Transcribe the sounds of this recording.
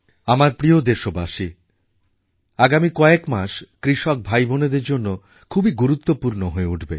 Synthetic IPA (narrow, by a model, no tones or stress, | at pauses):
amaɾpɾiod̪eɾʃobaʃi | aɡamikɔekmaʃkɾiʃɔk̚bʱajboned̪eɾd͡ʑonːo | kʰubiɡuɾut̪ːopuɾnoɦoeuʈʰbe